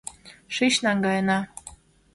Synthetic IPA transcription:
ʃiɕnɑŋɡɑjənɑ

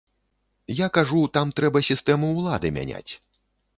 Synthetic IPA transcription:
jakaʐut̪amt̪ɾɛbɐsʲist̪ɛmuːlˠad̪ɨmʲa̰nʲa̰t͡sʲ

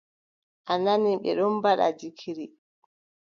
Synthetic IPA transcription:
ʔananiɓɛ̰ɗɔnbaɗa̰d͡ʒikʰiɾi

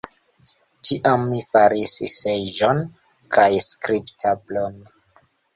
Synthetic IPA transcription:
tʰiʔamːifaɾisised͡ʒon | kʰajskɾiptʰablon

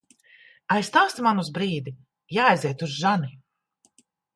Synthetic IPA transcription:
ajst̪aːst̪manuzbɾiːd̪i | jaːjzɛt̪uzʒani

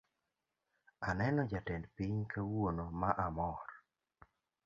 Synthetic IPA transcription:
anɛnɔd͡ʒatɛndpiɲkʰawonomaʔamɔɾ

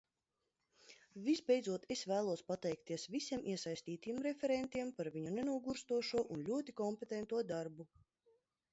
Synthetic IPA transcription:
vizbɛjd̪zuɔt̪esvæːlˠuɔspat̪ɛjk̚t̪iɛsvisʲiɛmʔiɛsajsʲt̪iːt̪ijɛmɾefʲɛɾɛnt̪iɛmpaɾviɲunenuɔɡuɾst̪uɔʃuɔʔunlʲuɔt̪ikɔmpet̪ɛnt̪uɔd̪aɾbu

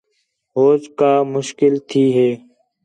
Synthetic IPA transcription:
ɦoːd͡ʒkaːmʊʃkɪlt̪ʰiːɦeː

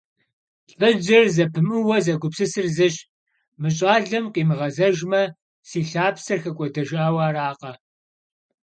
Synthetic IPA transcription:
ɬʼɐd͡ʒɐrzɐpʰɨmɨwɐzɐɡʷʊpsɨsɨrzɐɕ | mɨɕʼaːɮɐmqʼiːmɨʁɐzɐʒmɐ | siːɬaːpsɐrxɐkʷʼɔdɐʒaːwaːraːqɐ

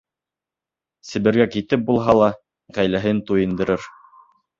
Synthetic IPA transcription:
sɘ̆βɘ̆ɾɡækit̪ɘp̚bulˠɦɑlˠɑ | ʁæjlæɦɘnt̪ujɤ̆nd̪ɤ̆ɾɤɾ

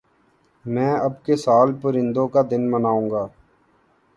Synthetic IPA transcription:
mɛ̃ːəbkesaːlpəɾɪ̃nd̪õkad̪ɪnmənaːũːɡaː

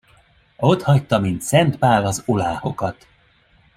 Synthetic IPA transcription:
ot̪hɒct̪ɒmint̪sɛnt̪paːlɒzolaːho̞kɒt̪

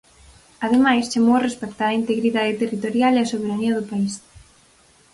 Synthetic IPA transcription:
aðemajst͡ʃamorespɛkt̪aɐint̪eɣɾiðaðet̪erit̪oɾjaleɐsoβeɾaniɐðʊpais

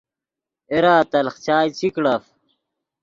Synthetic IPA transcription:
eɾaːt̪ɐlχt͡ɕaːjt͡sʰikɽɐf

